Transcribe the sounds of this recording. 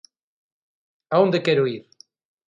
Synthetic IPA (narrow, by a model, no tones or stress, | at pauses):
aõnd̪ekɛɾʊiɾ